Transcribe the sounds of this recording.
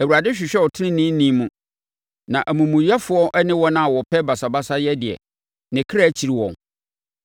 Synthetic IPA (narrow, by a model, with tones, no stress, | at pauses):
æ˨wu˨ɾa˨dɪ˦ɕᶣɪ˨ɕᶣɛ˦wɔ˨tʰɪ˦nɪ̃˦nĩ˦n˦nĩ˦mũ˨ | nã˨ʔæ˨mũ˨mũ˨jɛ˦fʊ˦ɔ˦ʔɛ˦nɪ̃˦wɔ˦nã˦a˨wɔ˨pʰɛ˦ba˨sa˨ba˦sa˦jɛ˦dɪ˨ɛ̰˨ | nɪ̃˨kʰɪ˦ɾaː˦t͡ɕʰi˨ɾi˦wɔ̰̃˨n